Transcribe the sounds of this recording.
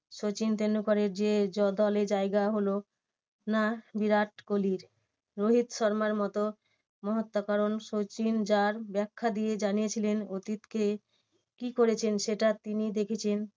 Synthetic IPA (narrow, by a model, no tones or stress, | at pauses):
ʃot͡ɕint̪enːukɔɾeɾd͡ʑed͡ʑɔd̪ɔleɾd͡ʑaeɡaɦolo | nabiɾaʈkoliɾ | ɾoɦit̪ʃɔɾmaɾmɔt̪o | mɔɦot̪ːokaɾonʃot͡ɕind͡ʑaɾbɛkʰːad̪ijed͡ʑanijet͡ɕʰilenot̪it̪ke | kikoɾet͡ɕʰenʃeʈat̪inid̪ekʰet͡ɕʰen